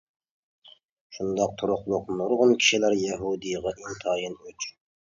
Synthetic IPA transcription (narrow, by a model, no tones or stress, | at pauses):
ʃund̪ɑq̚t̪ʰʊɾʊqlˠʊqnuɾʁonkʲʰi̥ʃilæɾjæɦud̪ijʁɑʔint̪ʰɑjinøt͡ʃʰ